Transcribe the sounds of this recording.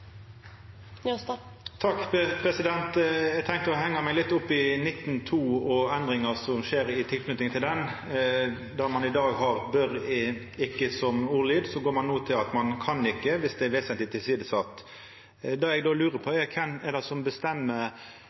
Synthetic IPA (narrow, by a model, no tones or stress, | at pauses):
t̪ʰɑkːpʰɾɛsɪd̪ɛnt̪ɛɡt̪ʰɛŋkəɾɔɦɛŋːəmɛɪɡlɪt̪ːʊpːɪnɪt̪ːn̩t̪ʰuːɔɛnd̪ɾɪŋəsɔmʃeːɾɪt̪ʰɪlkʰnʉt̪ɪŋt̪ʰɪld̪ɛn | d̪æɾmɑnɪd̪ɑːɡɦɑʁbœɾ | ɪkːəsɔmuːliːd̪sɔɡoːɾmɑnːoːt̪ʰɪlɑt̪mɑnkʰɑnɪkːəʋɪsd̪ɛɛʋeːsɛnt̪ɪt̪ʰːɪlsiːd̪əsɑt̪ː | d̪ɑːɛɡd̪oːlʉːɾəpʰɔɛkʰɛmɛd̪ɛsɔmbəst̪ɛmːə